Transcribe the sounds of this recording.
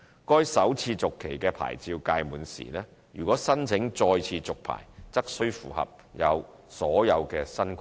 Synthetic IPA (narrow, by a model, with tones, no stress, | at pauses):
kɔː˥jsɐ˨˥wt͡sʰiː˧t͡sʊ˨kʰːe˨˩jkɛː˧pʰa̰ː˨˩jt͡siː˧wkaː˧jmuː˨˩nsḭː˨˩lɛː˥ | jyː˨˩kʷɔː˨˥sɐ˥nt͡sʰɪ˨˥ŋt͡sɔː˧jt͡sʰiː˧t͡sʊ˨k̚pʰa̰ː˨˩jt͡sɐ˥k̚sɵ˥ɥfṵː˨˩hɐ̰˨p̚ | jɐ˨˧w | sɔː˨˥jɐ˨˧wkɛː˧sɐ˥nkʰʷ